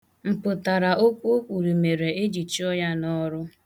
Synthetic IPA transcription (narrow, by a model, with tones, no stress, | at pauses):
m̩˨pʊ˨ta˨ɾa˨o˦kʷu˦o˦kʷu˨ɾi˨me˨ɾe˨e˦d͡ʒi˨t͡ʃi˦ɔ˦ja˦nɔ˦ɾʊ˦